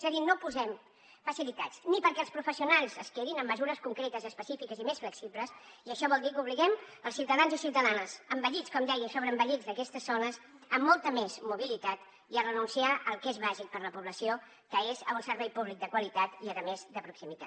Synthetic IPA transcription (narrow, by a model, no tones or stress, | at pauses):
səɣinopuzɛm | fəsilit̪at͡snipəɾkɛlspɾufəsiunalˠzəskeðinəmːəzuɾəskuŋkɾet̪əzəspəsifikəzimesfləksipləsiəʃɔβɔlˠd̪ikuβ̞liɣɛməlˠsiwt̪əðanzisiuwt̪əðanəsəmbəʎit͡skɔmd̪ɛjəsoβɾəːmbəʎid͡zd̪əkɛst̪əzːonəs | əmːɔlˠt̪əmezmuβ̞ilit̪at̪ | iərənunsiaʔəlˠkezβaʒik̚pəɾləpuβləsio | kəezunsəɾβɛjpuβlik̚d̪əkwəlit̪at̪iəðəmezd̪əpɾuksimit̪a̰t̪